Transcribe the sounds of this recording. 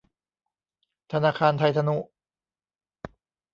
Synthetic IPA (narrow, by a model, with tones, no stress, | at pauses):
t̪ʰa˧naː˧kʰaː˧nt̪ʰa˧jt̪ʰa˧nu˦˧˥ʔ